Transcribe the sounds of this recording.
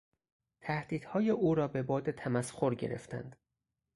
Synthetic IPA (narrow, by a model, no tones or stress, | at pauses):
t̪ʰæhd̪̥iːd̪̥hɒːjeʔuːɾɒːbe̞bɒːd̪et̪ʰæmæsxo̞ɾɟeɾe̞̰ft̪ʰæ̰nd̪̥